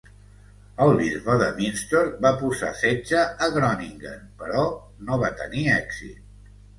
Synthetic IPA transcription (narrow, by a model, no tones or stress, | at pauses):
əlˠβizβəðə̰βinst̪oɾbapuza̰sed͡ʒəəɣɾɔniŋɡə̰npəɾɔ | noβat̪ə̰niɛkzḭt̪̚